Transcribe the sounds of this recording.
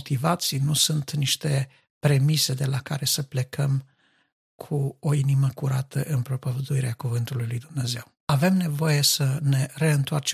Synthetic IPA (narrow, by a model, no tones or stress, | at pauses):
ot̪ivat̪sijnusunt̪niʃt̪e̞ | pɾe̞mise̞d̪e̞lakaɾe̞səple̞kʰəm | kʰuo̞iniməkuɾat̪ʰəʔɨnpɾo̞pəvəd̪uiɾeakuvɨnt̪ulujlujd̪umne̞ze̞w | ave̞mne̞vo̞je̞səne̞ɾe̞ɨnt̪oart͡ʃ